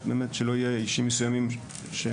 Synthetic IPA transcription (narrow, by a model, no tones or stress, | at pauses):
beːmet̪ʃelo̞ijeiʃimːesujamim | ʃe